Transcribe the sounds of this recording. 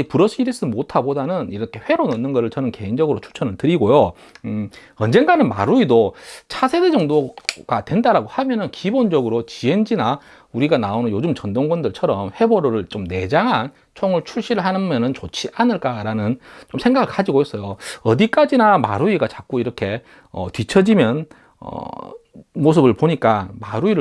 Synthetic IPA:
ipuɾʌɕʰiɡiɾes͈umotʰabodanɯniɾʌkʰe̞ɸwe̞ɾonʌnːɯnɡʌɾɯɭt͡ɕʌnɯnke̞ind͡ʑʌɡɯɾot͡ɕʰu̥ɭt͡ɕʰʌnɯɭtɯɾiɡojo | ʌnd͡ʑe̞nɡanɯnma̰ɾuidot͡ɕʰasʰe̞de̞d͡ʑʌŋdoɡ̥atwe̞ndaɾaɡohamjʌnɯnkibond͡ʑʌɡɯɾot͡ɕiend͡ʑina | uɾiɡanaonɯnjod͡ʑɯmt͡ɕʌndoŋɡwʌndɯɭt͡ɕʰʌɾʌmɸe̞bʌɾoɾɯɭt͡ɕomne̞d͡ʑaŋɦan | t͡ɕʰoŋɯɭt͡ɕʰuɭɕ͈iɾɯɭhanɯnmʌnɯnt͡ɕot͡ɕʰiʔanɯɭk͈aɾanɯnt͡ɕomsʰe̞ŋɡaɡɯɭkad͡ʑiɡoɦes͈ʌjoʌdik͈ad͡ʑinama̰ɾuiɡat͡ɕak͈uiɾʌkʰe̞ | ʌtɥit͡ɕʰʌd͡ʑimjʌn | ʌ̰ | mos̬ʰɯbɯɭpoɲik͈amaɾuiɾɯ

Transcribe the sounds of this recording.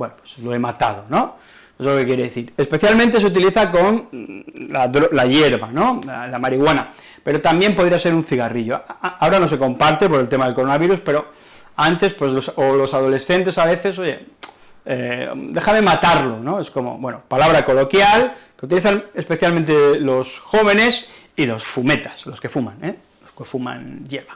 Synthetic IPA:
bwenopwe̥slo̞e̞mat̪að̞o̞no̞ | ezlo̞ke̞kje̞ɾeðeθiɾespe̞θjalmẽnt̪̬e̞seut̪̬iliθako̞n | laðɾolaʝeɾβano̞alamaɾiɣwana | pe̞ɾo̞t̪ambje̞mpo̞ð̞ɾiase̞ɾunθiɣariʎo̞aoɾano̞s̬e̞ko̞mpaɾt̪e̞po̞ɾelt̪emaðe̞lkoɾo̞naβiɾuspe̞ɾo̞ | ant̪e̞spwe̞zlosolo̞sað̞o̞le̞sθe̞nt̪e̞saβe̞θe̞s̬oʝe̞̰ | ḛd̪e̞xame̞mat̪aɾlo̞no̞e̞sko̞mo̞̰βwe̞nopalaβ̞ɾako̞lo̞kjalkeut̪iliθane̞spe̞θjalmẽnt̪elo̞sxo̞β̞e̞ne̞s | ilo̞sfume̞t̪ḁslo̞ske̞fumãne | loskefuma̰njeɾβa

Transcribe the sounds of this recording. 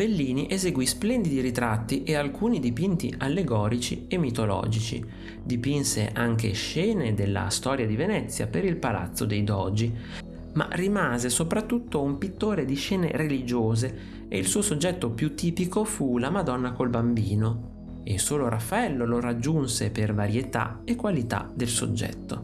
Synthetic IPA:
belːiːniʔezeɡwisplɛnd̪id̪iɾit̪ɾat̪ːiʔealkʰuːnid̪ipint̪ḭʔalːeɡɔːɾit͡ʃḭemːit̪olɔ̰ːd͡ʒit͡ʃḭ | d̪ipinsḛʔaŋk̟ḛʃɛːned̪elːa̰st̪ɔːɾjad̪ivenɛt̪sːja̰peɾilpala̰t̪sːod̪ejd̪ɔd͡ʒi | ma̰rimaːzesopɾat̪ːut̪ːoumpit̪ːoːɾed̪iʃɛːnḛɾelid͡ʒoːze | ḛilsuːosod͡ʒːɛt̪ːopjut̪ːiːpikofulamad̪ɔnːakolbambiːno | esoːloɾafːaɛlːolorad͡ʒːunsepervaɾjet̪a̰ekːwalit̪a̰d̪elso̰d͡ʒːɛ̰t̪ːo̰

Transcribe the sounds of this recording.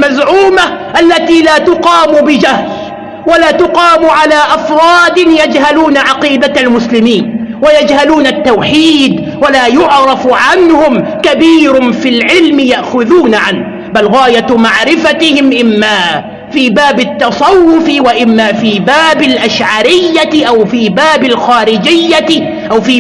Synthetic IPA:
mazʕuːmaʔalːat̪iːlaːt̪ʊqɑːmʊbɪd͡ʒahl | walaːt̪ʊqɑːmʊʕalaːʔafɾˤɑːd̪ɪnjad͡ʒhaluːnaʕɑqiːd̪aalmʊslɪmiːnwajad͡ʒhaluːnat̪ːawħiːd̪ | walaːjʊʕɾˤɑfʕanhʊm | kabiːɾʊnfilʕɪlmɪjaʔxʊðuːnaʕanh | balɣaːjamaʕɾɪfat̪ɪhɪmʔɪmːaː | fiːbaːbɪt̪ːɑsˤɑwːʊfɪwaʔɪmːaːfiːbaːbɪlʔaʃʕaɾɪjːaʔawfiːbaːbɪlxaːɾɪd͡ʒɪjːa | ʔawfiː

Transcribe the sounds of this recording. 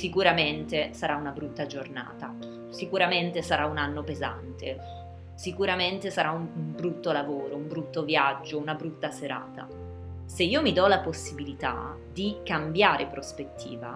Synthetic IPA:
sikuɾament̪esaɾaunabɾut̪ːad͡ʒorna̰ːt̪a | sikuɾament̪esaɾaunanːopeza̰nt̪ʰe | sikuɾament̪esaɾʔaumumbɾut̪ːolavoːɾoumbɾut̪ːovjad͡ʒːounabɾut̪ːaseɾa̰ːt̪a̰ | seiːomid̪ɔlaposːibilit̪a̰ | d̪ikambjaːɾʔepɾospet̪ʰːḭːva̰

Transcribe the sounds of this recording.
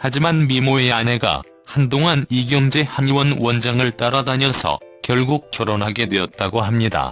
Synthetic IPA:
had͡ʑimanmimoeane̞ɡa̰ | handoŋaniɡjʌŋd͡ʑehaŋiwʌnwʌnd͡ʑaŋɯɭt͈aɾadaɲʌsʰʌ̰kjʌɭɡuk̚k͈jʌɾonɦaɡe̞dwe̞ʌt̚t͈aɡoɦamɲida̰

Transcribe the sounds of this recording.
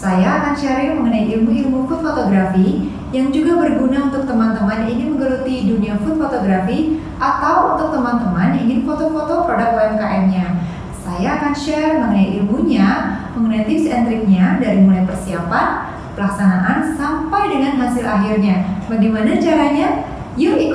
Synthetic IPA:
sajaːkanʃaɾɪkməŋənaiʔilmuilmufʊt̪fot̪oɡɾafi | jaŋd͡ʒuɡabərɡunaunt̪ʊk̚t̪əmant̪əmanininməŋɡəɾut̪iduniafʊt̪̚fot̪oɡɾafi | ʔat̪awunt̪ʊk̚t̪əmant̪əmaniŋɪnfot̪ofot̪okəɾadapoɛmkaʔɛmɲa | sajaːkanʃɛrməŋənajiʔilmuɲaməŋənajt̪ɪpsɛnt̪ɾɪk̚ɲadaɾimulajpərsiapan | pəlaksanaʔansampajdəŋanɦasɪlʔa̰ɦirɲabaɡimanat͡ʃaɾaɲa | jui

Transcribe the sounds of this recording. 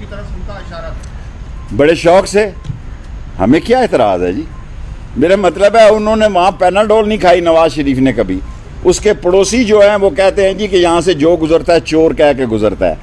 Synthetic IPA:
it̪ː | bəɽeʃɔːkseː | hə̰mẽkjaːet̪ɪɾa̰ːzɦɛ̰ːd͡ʒiː | meːɾamət̪ləbɦɛːʊnɦõːneʋɐɦãpɛːnəlɖoːlnəĩkʰaːinəʋaːzʃəɾiːfnekəbʱiː | ʊskepəɽoːsid͡ʒoːɦɛ̃ʋoːkɛɦt̪eɦɛ̃d͡ʒiːkejɐɦãsed͡ʒoːɡʊzəɾt̪aɦɛːt͡ʃoːɾkɛːkeɡʊzəɾt̪a̰ɛ̰ː

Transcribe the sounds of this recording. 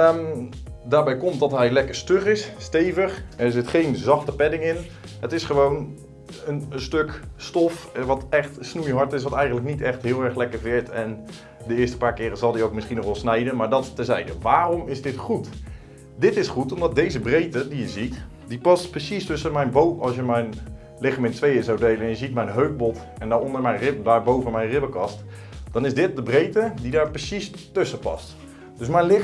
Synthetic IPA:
daːɹbɛjkɔmtdɑtɦɛjlɛkəɹstøχɪsːtejvəχɛɹzɪtχejnzɑχtəpɛdɪŋɪn | ɦətɪsχəʋown | ənənstøkstɔfʋɑtɛχtsnujɦɑɹtɪsʋɑtɛjxəntləknitɛχtɦɪːlˠɛɹχlɛkəɹvɪɹtɛn | dəɪːɹstə̥paːɹkɪːɾəzɑlˠdiowk̚mɪsχinɔχʋɛlˠsnɛjdənmaːɹdɔtːəzɛjdəʋaːrɔmɪsdɪtχut | dɪtɪsχutɔmdɑt̚dejzəbrejtədijəzit | dipɑstprəsistɵsəmɛjnbowmɑ̰lˠsjəmɛjn | lɪχmɪntʋejəzawdejləɛnjəzit̚mɛjnɦøɥk̚bɔt | ɛndaɔndəɹmɛjnrɪbdaːɹbowvənmɛjnrɪbəkɑst | d̥ɑnɪzdɪt̚dəbrejtədidaːɹprəsistɵsəpɑ̰st | d̥ɵs̬mɛjnlɪ

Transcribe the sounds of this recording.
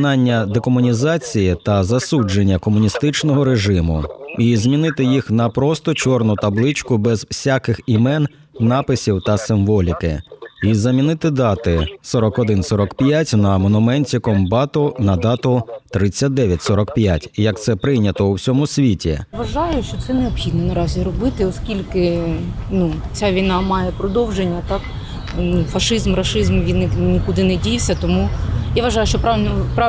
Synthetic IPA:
nɑnʲːɐd̪ekɔmʊnʲizɑt͡sʲijit̪ɐzɐsud͡ʒenʲːɐkɔmʊnʲist̪ɪt͡ʃnɔɦɔɾeʒɪmʊ̰izmʲinɪt̪ɪjixnɐpɾɔst̪ɔt͡ʃɔrnʊt̪ɐblˠɪt͡ʃkʊbɛzwsʲakɪximɛnː | ɑpɪsʲiwt̪ɐsɪmʋɔlʲikɪ̰izɐmʲinɪt̪ɪd̪ɑt̪ɪsɔɾɔkɔd̪ɪnsɔɾɔkpʲjatʲnɐmɔnʊmɛnʲtʲikɔmbɑt̪ʊnɐd̪ɑt̪ʊt̪ɾɪt͡sʲːɐt̚ʲd̪ɛʋʲjɐtʲsɔɾɔkpʲjatʲjɐkt̪sɛpɾɪjnʲɐt̪ɔuwsʲɔmʊsʲʋʲitʲḭʋɐʒɑjʊt͡ʃt͡ʃɔt̪sɛneɔbxʲid̪nɔnɐɾɑzʲiɾɔbɪt̪ɪɔskʲilʲkɪnut͡sʲaʋʲijnɑmɑjɛpɾɔd̪ɔwʒenʲːɐt̪ɑk | nufɐʃɪzmɾɐʃɪzmʋʲinnʲikʊd̪ɪnedʲijwsʲɐt̪ɔmujaʋɐʒɑjʊʃt͡ʃɔppa

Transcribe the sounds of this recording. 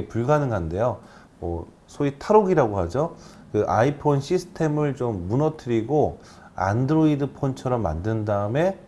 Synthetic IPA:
puɭɡanɯŋande̞jo | mʌ̰ | sʰoitʰaɾoɡiɾaɡohad͡ʑo | kɯʔa̰ipʰonɕʰisʰɯ̥tʰe̞mɯɭt͡ɕomːunʌtʰɯɾiɡo | a̰ndɯɾoidɯpʰont͡ɕʰʌɾʌmːa̰ndɯndaɯme̞

